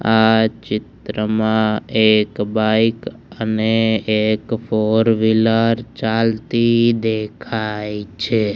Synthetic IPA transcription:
at͡ʃɪt̪ɾəmãekbajk | əneekfoɾʋilaɾt͡ʃalt̪id̪ekʰajt͡ʃʰe

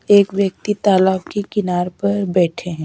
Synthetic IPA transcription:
eːkʋjək̚t̪it̪aːlaːbkekɪnaːɾpɐɾbɛːʈʰeɦɛ̃ː

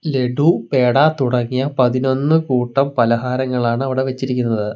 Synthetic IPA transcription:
le̞ɽupe̞ːɽaːt̪uɽɐŋːijɐpɐðino̞nːɨkuːʈːɐmpɐlɐɦaːɾɐŋːɐɭaːɳɨɐʋiɽe̞ʋet͡ɕːiɾik̬ʲːunːɐðɨ

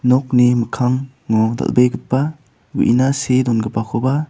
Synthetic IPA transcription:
nɔk̚nimɯkʰaŋː | ɔda̰lbejɡɯt̚pa | ɡṵʔinasedɔnɡɯpakʰɔba

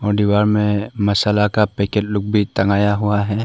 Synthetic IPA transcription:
ɔːɾɖ̪iwaːɾmẽmɐsəlakapɛːkeʈlʊk̚bʱit̪ɐŋɡaːjaɦuaɦɛː

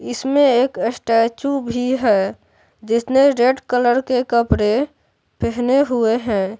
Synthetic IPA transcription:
ɪsmẽeːkesʈɛt͡ʃubʱiɦɛ | d͡ʒɪsneɾeɖkələɾkekəpɾe | pʰɛɦneɦʊeɦɛ̃ː

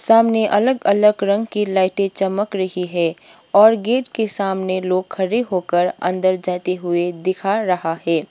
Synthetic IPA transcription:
saːmneʔɐləɡələɡɾə̃ŋɡkilaːɪʈẽt͡ʃəməkɾɐɦiɦɛː | ɔːɾɡeːʈkesaːmneloːɡkʰɐɾeɦokəɾɐ̰̃nd̪əɾd͡ʒaːt̪eɦʊed̪ɪkʰaɾɐɦaɦɛː

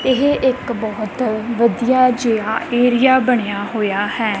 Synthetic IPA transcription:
ɪɦʔɪkbɔːt̪ʋəd̪ijaːd͡ʒeːaːeːɾɪjaːbəɽ̃ejaːɦoːjaːhɛː

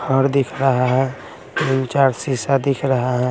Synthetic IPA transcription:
hʰəɾd̪ɪkʰɾəɦaɦɛ̃ | mɪnt͡ʃaːɾsisad̪ɪkʰɾəɦaɦɛ̃

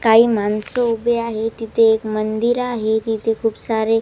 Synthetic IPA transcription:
kaːimaːnsoubeaːɦet̪it̪eːkmənd̪iɾaːɦet̪it̪ekʰubsaːɾe

